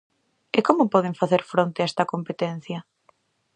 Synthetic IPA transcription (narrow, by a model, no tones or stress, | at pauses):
ɪkomʊpɔð̞ɪɱfaθeɾfɾont̪eaɛst̪ɐkompet̪ɛn̟θjɐ